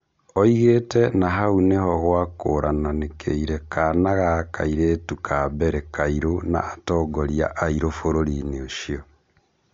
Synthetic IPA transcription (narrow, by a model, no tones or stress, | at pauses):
ɔiɣeːtɛnaɦaunehɔɣwakoɾananekʰḛiɾɛkanaɣaka̰iɾeːtukʰaːbɛɾekaiɾona̰ːtɔːɡɔɾia̰ʔaiɾofoɾoɾineoʃiɔ